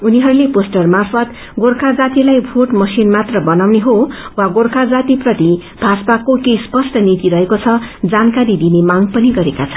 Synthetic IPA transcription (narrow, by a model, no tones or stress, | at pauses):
uniɦʌɾuleposʈʌrmarpʰʌt̪ | ɡorkʰad͡zat̪ilajbʱoʈmʌsinmat̪rʌbʌnawneɦowaɡorkʰad͡zat̪iprʌt̪i | b̥ʱaspakokejspʌsʈʌnit̪iɾʌɦekot͡sʰʌd͡zankaɾid̪inemaŋɡpʌniɡʌɾekat͡sʰʌn